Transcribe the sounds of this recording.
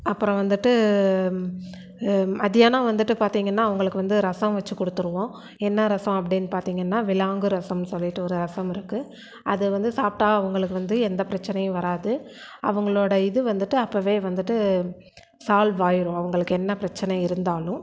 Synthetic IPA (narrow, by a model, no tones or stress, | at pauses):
ɐpːɯɾɔ̃ʋɐnd̪ɯʈːɯ | ɐðɪjaːnaːʋɐnd̪ɯʈːɯpaːɾt̪iːŋɡɐnːaːɐʋɐŋɡɐɭɯkːɯʋɐnd̪ɯɾɐsɐ̃mʋɐt͡ʃːɯkːɔɽɯt̪ːɯɾɯʋõː | ɛnːɐɾɐsɐ̃mɐpːɐɽɪnːɯpaːɾt̪iːŋɡɐnːaːʋɪlaːŋɡɯɾɐsɐmnɯsɔlːɪʈːɯɔɾɯɾɐsɐmɪɾɯkːɯ | ʔɐðɯʋɐnd̪ɯsaːp̚ʈaːɐɐʋɐŋɡɐɭɯkːɯʋɐnd̪ɯɛnd̪ɐpɪɾɐt͡ʃːɐnɐjʊ̃ʋɐɾaːðɯ | ɐ̰ʋɐŋɡɐɭoːɽɐɪðɯʋɐnd̪ɯʈːɯɐpːɐːʋeːʋɐnd̪ɯʈːɯ | saːlʋaːjɪɾʊ̃ɐʋɐŋɡɐɭɯkːɯɛnːɐpɪɾɐt͡ʃːɐnɐɪɾɯnd̪aːlʊ̃